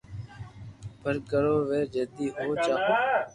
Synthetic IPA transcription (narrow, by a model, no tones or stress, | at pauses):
b̥ʱəɾkəɾoːʋeːd͡ʒəd̪iːɦoːt͡ʃaːkoː